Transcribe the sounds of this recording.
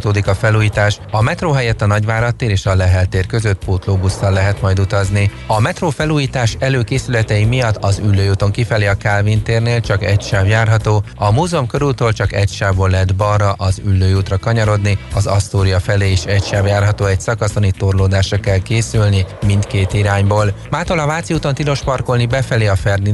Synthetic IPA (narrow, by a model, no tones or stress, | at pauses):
t̪oːd̪ikɒfɛluːjiːt̪aːʃ | ɒmɛt̪roːɦɛjɛt̪ːɒnɒɟʋaːɾɒt̪ːeːɾeːʃɒlɛɦɛlt̪eːrkø̞zøt̪̚poːt̪loːbusːɒlːɛɦɛt̪mɒjd̪ut̪ɒzni | ɒmɛt̪roːfɛluːjiːt̪aːʃɛløːkeːsylɛt̪ɛjimijɒt̪ːɒzylːøːjuːt̪o̞ŋkifɛliɒkaːlvint̪eːrneːlt͡ʃɒkɛcʃaːvjaːrɦɒt̪oːɒmuːzomkø̞ɾylt̪øːlt͡ʃɒkɛcʃaːvboːlːɛd̪bɒrːɒʔɒzylːøːjuːt̪rɒkɒɲɒɾo̞d̪niɒzɒst̪oːɾijɒfɛleːeːʃɛcʃaːbjaːrɦɒt̪oːɛcsɒkɒso̞nit̪o̞rloːd̪aːʃrɒkɛlkeːsylnimint̪keːt̪iɾaːɲboːlmaːt̪olɒvaːt̪sijuːt̪ot̪ilo̞ʃpɒrko̞lnibɛfɛleːɒfɛrd̪i